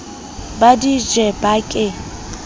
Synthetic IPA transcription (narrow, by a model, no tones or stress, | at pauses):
badid͡ʒɛbakʼɪ